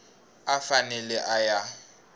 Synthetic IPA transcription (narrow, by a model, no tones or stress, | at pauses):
afanɛlɛʔaja